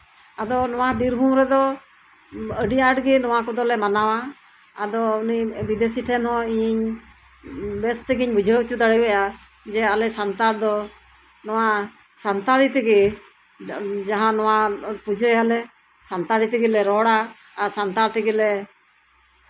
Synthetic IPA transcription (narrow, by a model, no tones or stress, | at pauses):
ad̪ɔnɔwabiɾbʱumɾɛd̪ɔ | əɖiʔaʈɡɛnɔwakɔd̪ɔlɛmanawa | ad̪ɔunibid̪esiʈʰɛnhɔ̃iɲɲ | bɛst̪ɛɡiɲbud͡ʒʱəut͡ʃut̪aɽibɛja | d͡ʒɛalɛsant̪aɾd̪ɔ | nɔwa | sant̪aɾit̪ɛɡi | d͡ʒaɦãnɔwapud͡ʒʱəjalɛ | sant̪aɾit̪ɛɡilɛɾɔɽaː | sant̪aɾt̪ɛɡilɛ